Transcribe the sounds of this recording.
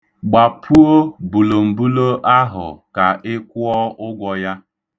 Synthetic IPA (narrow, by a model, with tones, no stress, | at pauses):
ɡ͡ba˨pʰu˦o˦bu˨lo˨m̩˨bu˦lo˦ʔa˦ɦʊ̰˨ka˨ʔɪ˦kʷʊ˦ɔ˦ʊ˦ɡʷɔ˨ja˦